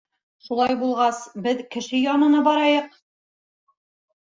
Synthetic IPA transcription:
ʃulˠɑjbulˠʁɑsbɘðkɘ̆ʃɘjɑnɤ̆nɤbɒɾɑjɤq̚

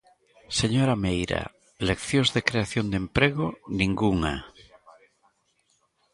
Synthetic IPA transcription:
seɲoɾamejɾa̰ | lekθjõzðekɾeaθjond̪empɾeɣonĩŋɡuŋa

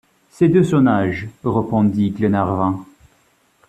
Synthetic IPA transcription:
sed̪øsɔnaʒʁəpɑ̃d̪iɡlenaʁvɛ̃

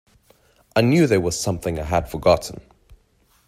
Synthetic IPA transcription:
ʔaɪnjʉːðəwʌz̥sʌ̃mθɪ̃ŋaɪəd̥fəɡɑʔn̩

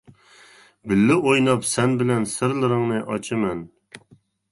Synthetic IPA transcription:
bɪlːɪʔojnɑpsɛnbɪlɛnsɪɾlˠɪɾɪŋnɨʔɑt͡ʃʰɨmɛn

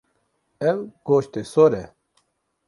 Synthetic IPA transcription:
ewɡ̥oːɕt̪esoɾe

